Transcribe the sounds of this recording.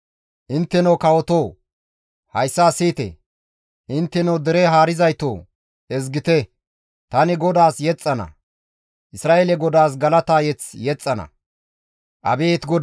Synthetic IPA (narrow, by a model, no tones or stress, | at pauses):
ʔɪnt̪ːɛnɐwkɐwɔt̪oː | hɐjsːaːsiːt̪ḛ | ʔɪnt̪ːɛnɐwd̪ɛɾeɦaːɾɪzɐjt̪oː | ɛzɡɪt̪ɛ | t̪ɐnɪɡɔd̪aːsjɛt͡sʼːɐnɐ̰ | ʔɪsɾaːʔeːlɛɡɔd̪aːs̬ɡɐlɐt̪aːjɛt͡sjɛt͡sʼːɐnɐ̰ | ʔɐ̰beːt̪ɡɔd̪